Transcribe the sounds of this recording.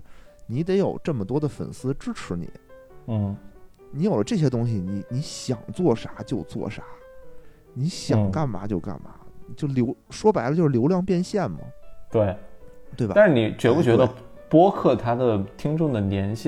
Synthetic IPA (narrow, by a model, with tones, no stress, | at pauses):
ni˧˥t̪̬e˧˥ɪjo˨˩ʊʈ͡ʂɤ˥˩mə˩t̪wɔ˥d̪ə˨fə̰˨˩nsɹ̩˥ʈ͡ʂɻ̩˥ʈ͡ʂʰɻ̩˧˥nḭ˨˩˦ | n̩˥˩ | ni˧˥jo˨˩lə˦ʈ͡ʂɤ˥˩ɕjɛ˥t̪ʊ˥ŋɕi˨ni˧˥ni˧˥ɕjɑ̰˨˩ŋt͡swɔ˥˩ʂa˧˥t͡ɕjo˥˧ʊt͡swɔ̰˥˩ʂa˧˥ | ni˧˥ɕjɑ˨˩ŋŋka˥˩nma˧˥t͡ɕjo˥˧ʊka̰˥˩nma̰˧˥˩t͡ɕjo˥˩ʊljo˧˥ʊʂwɔ˥pa˧˥ɪlə˧t͡ɕjo˥˧ʊʂ̩˧jʊljɑ˥˧ŋpjɛ˥˧nɕjɛ˥˩nmɐ̰˩t̪we˥˩ɪt̪we˥˩ɪbɐ̰˨a˥˧ʂɻ̩˥˩ni˨˩t͡ɕɥpu˥˩t͡ɕɥɛ˧˥d̪ə˧ | pwɔ˥kʰɤ˥˩t̪ʰa˥d̪ə˨t̪ʰi˥ŋʈ͡ʂʊ˥˩ŋd̪ə˩njɛ˧˥nɕi˥˩